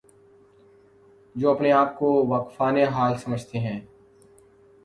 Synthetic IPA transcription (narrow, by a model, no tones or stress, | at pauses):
d͡ʒoːɐpneaːp̚koʋaːkfaːneɦaːlsɐməd͡ʒʱt̪eɦɛ̃ː